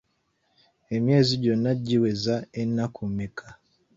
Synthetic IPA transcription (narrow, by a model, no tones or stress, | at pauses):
e̞mje̞ːziɟonːaɟːiwezaenːakʰumːikʰa